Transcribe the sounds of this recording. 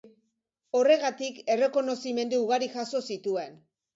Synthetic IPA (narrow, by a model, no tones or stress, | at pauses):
o̞re̞ɣat̪ike̞re̞ko̞no̞sime̞nd̪uuɣaɾixaso̞sit̪ue̞n